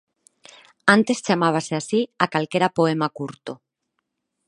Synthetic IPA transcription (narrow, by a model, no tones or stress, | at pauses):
ant̪e̞st͡ʃamaβ̞aseasiakalke̞ɾapoe̞makuɾt̪o